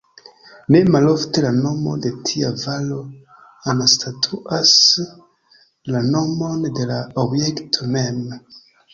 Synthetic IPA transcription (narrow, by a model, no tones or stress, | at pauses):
ne̞malofte̞lano̞mo̞̰de̞tʰiavalo̞ | anastʰatʰuʔas | lano̞mo̞nde̞laobjektʰomem